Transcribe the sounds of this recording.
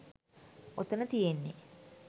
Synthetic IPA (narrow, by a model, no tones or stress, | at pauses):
ot̪ənət̪ijenːḛ